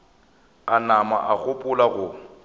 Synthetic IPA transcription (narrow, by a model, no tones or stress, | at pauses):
anama̰ʔaɣʊpʼʊlaɣʊ